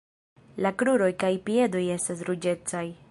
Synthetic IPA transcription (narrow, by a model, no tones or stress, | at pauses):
lakɾuɾo̞jkajpie̞do̞je̞stas̬ɾud͡ʒe̞t͡saj